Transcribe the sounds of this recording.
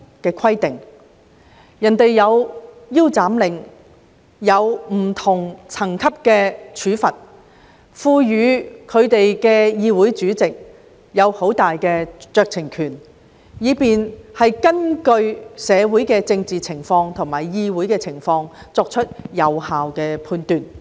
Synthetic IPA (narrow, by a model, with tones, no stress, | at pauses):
kɛː˧kʰɐ˥jt̪ɪ˨ŋ | jɐ˨˩nt̪e˨jːɐ˨˧w | jiː˥wt͡saː˨˥mlɪ˨˩ŋ | jɐ˨˧wm̩˨˩t̪ʰʊ˨˩ŋt͡sʰɐ˨˩ŋkʰɐ˥p̚kɛː˧t͡ʃʰyː˨˥fɐ˨t̚ | fuː˧jyː˨˧kʰɵ˨˧ɥt̪e˨jkɛ˧jiː˧wu˨˥jt͡ʃyː˨˥t͡sɪ˨k̚ | jɐ˨˧who˨˥wt̪aː˨jkɛː˧t͡ʃœː˨˧k̚t͡sʰɪ˨˩ŋkʰyː˨˩n | jiː˨˧piː˨nhɐ˨jkɐ˥nkɵ˧ɥsɛː˨˧wuː˨˥jkɛː˧t͡sɪ˧ŋt͡siː˨t͡sʰɪ˨˩ŋfɔː˧ŋt̪ʰʊ˨˩ŋmaː˨˩jjiː˧wuː˨˥jkɛː˧t͡sʰɪ˨˩ŋfɔː˧ŋ | t͡sɔː˧k̚t͡ʃʰɵ˥t̚jɐ˨˧whaː˨wkɛː˧pʰuː˧nt̪yː˨n